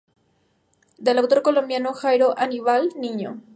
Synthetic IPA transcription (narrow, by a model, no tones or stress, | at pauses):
d̪elawt̪o̞ɾkolo̞mbjanoxajɾoʔaniβalniɲo̰